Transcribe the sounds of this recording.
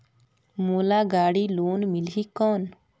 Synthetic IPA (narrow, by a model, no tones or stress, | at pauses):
moːlaːɡaːɽiːloːnmɪliːkɔːn